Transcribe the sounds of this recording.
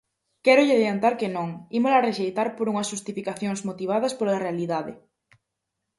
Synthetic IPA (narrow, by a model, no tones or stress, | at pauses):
kɛɾʊʎɪaðjant̪aɾkenõŋimolareʃejt̪aɾpoɾuŋɐsʃust̪ifikaθjoŋzmot̪iβ̞aðɐspolarealiðaðɪ̰